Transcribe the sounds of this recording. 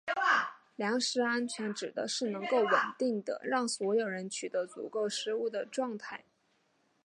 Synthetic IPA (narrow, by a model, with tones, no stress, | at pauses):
ljɑ˧˥ŋʂɻ̩˧˥a˥nt͡ɕʰɥɛ˧˥nʈ͡ʂɻ̩˨˩d̪ə̰˦ʂɻ̩˥˩nɤ˧˥ŋko˥˩ʊwə˨˩nt̪i˥˩ŋd̪ə̰˩ɻɑ˥˩ŋswɔ˧˥jo˨˩ʊɻə˧˥nt͡ɕʰy˨˩d̪ə˧˥t͡sṵ˨˩ko˥˩ʊʂɻ̩˧˥u˥˩d̪ə˩ʈ͡ʂwɑ˥˧ŋt̪ʰa˥˩ɪ